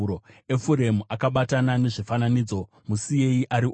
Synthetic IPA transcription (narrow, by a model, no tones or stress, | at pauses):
oe̞fuɾe̞muʔakaɓatanane̞ʐifananiːd͡zo̞ | musije̞iʔaɾi